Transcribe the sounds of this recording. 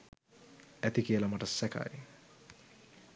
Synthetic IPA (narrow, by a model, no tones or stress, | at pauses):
æt̪ikiəlamaʈəsæka̰j